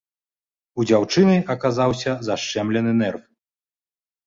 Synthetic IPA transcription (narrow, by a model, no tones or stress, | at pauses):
ud͡zʲawt͡ʂɨnɨjɐkazawsʲɐzaʂt͡ʂɛmlʲɛnɨnɛrf